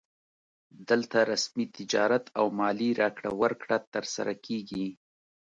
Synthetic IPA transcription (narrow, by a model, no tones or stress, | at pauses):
d̪əlt̪aɾasmit̪ɪd͡ʒɑɾat̪ʰawmɑliɾʔɑkɽa̰waɾkɽat̪əɾsa̰ɾakʰeɡi